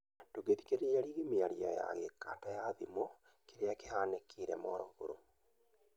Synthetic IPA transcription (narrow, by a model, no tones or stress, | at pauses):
doɣeði̥keɾeɾiaɾiːɣimeaɾiɔ̰ja̰ɣeka̰tajaðimɔ | keɾeakehaːnekʰiɾɛmɔːɾɔɣo̰ɾo̰